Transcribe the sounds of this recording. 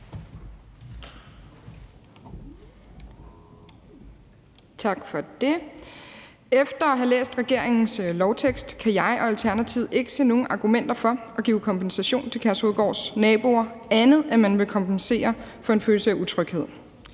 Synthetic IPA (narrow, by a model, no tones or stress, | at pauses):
t͡sʰɑ̈ɡ̥fɒ̽d̥e̝ | efd̥ɐɒɦælḛːsd̥ʁɛɡ̥e̝ɐ̰eŋn̩slɒʊt͡sʰeɡ̥sd̥kʰæjɑ̈ɪʔɒ̽ælt͡sʰæɐnæt͡sʰiʊ̰e̝ɡ̥ə̥se̝̰ːno̝ːn̩ʔɑ̈ɡ̥umen̰d̥ɐfɒ̽ʔɒ̽ɡ̥ḭːʊkʰɒ̽mbʰensæɕo̝̰ːnt͡sʰe̝kʰæɐsoðˠɡ̥ɒ̰ːsnɛːb̥o̝ɐænð̞̩ˠæmænʋe̝kʰɒ̽mbʰense̝̰ːɐ | fɒ̽e̝nføːlsəæut͡sʰʁœɡ̥he̝ð̞̰ˠ